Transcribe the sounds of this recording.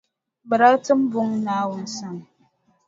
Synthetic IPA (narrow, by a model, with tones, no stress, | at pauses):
bə˨ɾa˦tɨ˦m̩˦bu˦ŋna˨˦wu˨n̩˨˦sa˦˨ŋ